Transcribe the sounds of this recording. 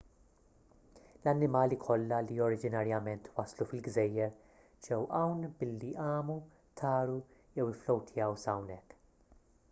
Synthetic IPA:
lɐnːɪmɐːlikʰɔlːɐliɔɾɪd͡ʒɪnɐɾjɐmɛnt̪wɐslufɪlɡzɛjːɛɾ | d͡ʒɛwʔɐwnbɪlːiʔɐːmu | t̪ʰɐːɾujɛwɪflɔwt̪ʰjɐwsɐwnɛkː

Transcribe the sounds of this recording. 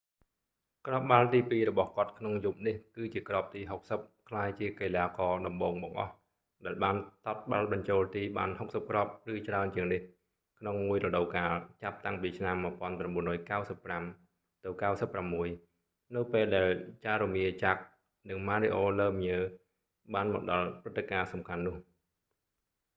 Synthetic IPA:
krɑp̚ɓalt̪iːpiːɾɔɓɑhkŏət̪̚kʰnoŋjup̚nihkɨːt͡ɕiəkrop̚t̪iːɦok̚səp̚kʰlaːjt͡ɕiəkeːlaːkɑːɗɑmɓoːŋɓɑŋʔɑ̰h | ɗaɛlɓaːnt̪ɑt̪̚ɓa̰lɓɑɲt͡ɕoːlt̪iːɓa̰ːnhok̚səp̚krɑp̚rɨːt͡ɕraənt͡ɕiəŋnih | kʰnoŋmuəjrɔɗowkaːlt͡ɕap̚t̪aŋpiːt͡ɕʰnamːɨ̆əpŏənpramɓuənrɔːjkawsəpːram | t̪ɨwkawsəpːramːuəj | nɨwpeːlɗaɛlt͡ɕaːɾumiət͡ɕak̚ | nɨŋmaːɾeʔoːləːmɲəː | ɓaːnmɔɗɑlprɨt̪ːekaːsɑmkʰanːʊ̆əh

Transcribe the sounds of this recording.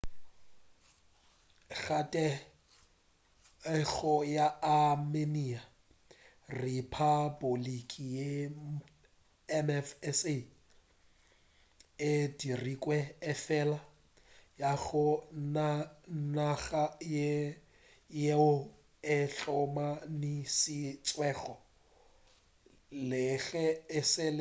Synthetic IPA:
ɣatʼɛ | ɣɔjaamenia | ripʰabolikʼije | ɛmɛfɛse | ɪdirikʼwɛɪfɛla | jaɣʊnanaɣaj | jeʊ | ɪɬɔmanɪsɪt͡sʼwɛːɣɔ | lɪɣɛɪsɪl

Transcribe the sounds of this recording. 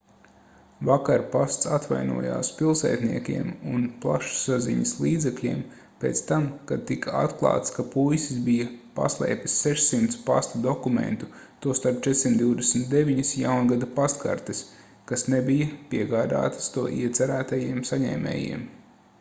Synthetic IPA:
vakaɾpast̪sat̪va̰jnṵɔja̰ːspilˠsɛ̰ːt̪nḭɛkʲḭɛmṵnplˠa̰ʃsazḭɲɐslˠiːd̪zɛklʲḭːm | peːt̪st̪amkad̪̚t̪ikaa̰t̪klˠɑa̰ːt̪skapujsizbijɐpa̰slˠɛ̰ːp̪ʲi̥sːɛʃsimt̪spa̰st̪ud̪ɔkumḛ̃nt̪ut̪uɔst̪aɾp̚t͡ʃɛd̪ʲsʲimtd̪d̪iwd̪esmt̪̚d̪eʋʲiɲɐsjawnɡad̪apast̪ka̰ɾt̪ɪs | kasnebijɐpiɛɡaːd̪a̰ːt̪ə̥st̪uɔʔiɛt̪sɛɾæːt̪ajiɛmsaɲɛ̰ːmɛ̰ːjḭɛm

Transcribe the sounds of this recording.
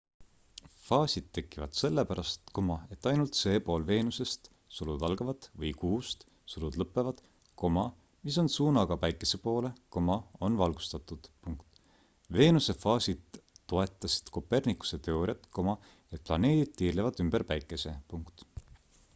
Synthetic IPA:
fɑːsʲid̪̥̚t̪ːe̞kˑːivɑ̰d̪̥se̞lːepæɾɑst̪ko̞mɑe̞t̪ːˑɑjnult̪se̞ːpo̞ːlve̞ːnuse̞st̪ | sulud̪ɑlɡ̥ɑvɑt̪vɤjkuːst̪ | sulud̪̥lɤpːˑe̞vɑd̪̥ | ko̞mɑ | mis̬o̞nsuːnɑɡ̥ɑpæjkːˑe̞se̞po̞ːle̞ko̞mɑo̞nvɑlɡu̥st̪ɑt̪ːˑud̪̥puŋkt̪ | ve̞ːnuse̞fɑːsid̪̥ːo̞e̞t̪ːˑɑsi̥t̪ko̞pːe̞rnikːu̥se̞t̪e̞o̞ɾʲjɑt̪ːˑko̞mɑ | et̪̚plɑ̰ne̞ːd̪̥id̪̥̚t̪iːrlevɑd̪ymb̥eɾpæjkːˑe̞se̞puŋkt̪

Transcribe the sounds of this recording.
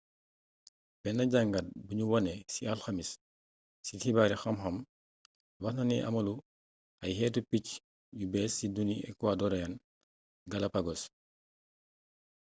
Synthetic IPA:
bɛnɐɟaŋɡɐt̚buɲuwɐnɛsiɐlxɐmisː | ihibaːɾixɐmxɐm | wɐxnɐniʔɐ̰mɐlu | ʔɐjɦɛːtupic | jubɛːsːiduniɛ̰kwadɔɾɐjɐn | ɡɐlɐpɐɡɔs

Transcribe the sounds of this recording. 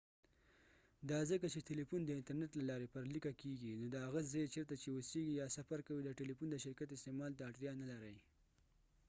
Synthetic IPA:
d̪ɑzəkat͡ʃeʈelifund̪əɪnt̪aɾneʈlalɑɾepəɾlikakeɡinod̪əɦaɣazaet͡ʃeɾt̪at͡ʃeoseɡijɑsafaɾkawid̪əʈelifund̪əʃɪɾkat̪ɪst̪emɑlt̪aːʈɾijɑnalaɾəj

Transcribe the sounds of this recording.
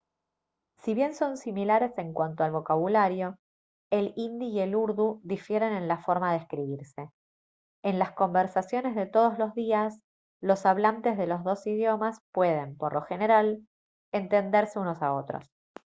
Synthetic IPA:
siβje̞nso̞nsimilaɾe̞se̞ŋkwant̪oalβo̞kaβ̞ulaɾjo̞ | elind̪iːe̞luɾðuðifje̞ɾe̞nẽ̞nlafo̞ɾmaðeskɾiβiɾse̞ː | nlasko̞mbeɾsasjo̞ne̞zðe̞t̪o̞ð̞o̞zlo̞zðias | lo̞saβ̞lant̪e̞zðe̞lozðo̞sið̞jo̞maspwe̞ð̞e̞mpo̞ɾlo̞xe̞ne̞ɾal | ent̪e̞nd̪e̞ɾse̞uno̞sao̞t̪ɾo̰s

